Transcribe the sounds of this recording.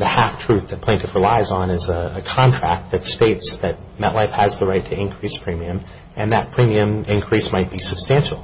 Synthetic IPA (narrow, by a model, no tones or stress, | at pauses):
ðɨhæftʰɹ̥ʉθðɨt̚pʰl̥æ̃ɪ̃ntɨd̥fə˞laɪzn̩ɨzəəkʰɑ̃ntʰɹ̥æk̚t̪̚ðɨtsteɪtsðɨt̚mɛʔlaɪfhəzðəɹaɪtʰɨɨ̃nkʰɹ̥ispʰɹ̥ĩmiɨ̃m | ʔɨ̃nðɨt̚pʰɹ̥ĩmiɨ̃mɪ̃nkʰɹ̥ismaɪt̚b̥isɨb̥stæ̃nʃl̩ˠ